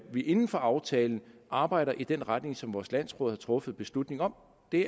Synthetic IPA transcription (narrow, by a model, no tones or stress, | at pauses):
ʋiʔe̝nn̩fɒ̽ʔɑ̈ʊt͡sʰɛːln̩ʔɑ̈ːb̥ɑ̈ɪ̰ɾɐʔid̥enʁad̥ne̝ŋsɒ̽mʋɒːslæn̰sʁɔ̰ːðˠhɑ̈t͡sʰʁɔ̽fð̩ˠb̥e̝slud̥ne̝ŋɒ̽m | d̥e̝